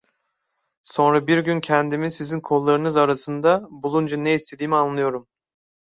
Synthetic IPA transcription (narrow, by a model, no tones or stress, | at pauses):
so̞nɾabiɾɟyncʰɛnd̪imizsizinkʰo̞lˠːaɾɯnɯzaɾasɯnd̪abulˠund͡ʒaneist̪ʰe̞d̪iːmianlˠɯjo̞ɾum